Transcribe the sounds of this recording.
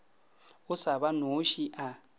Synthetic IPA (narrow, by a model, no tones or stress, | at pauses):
ʊsaβanoʃiʔa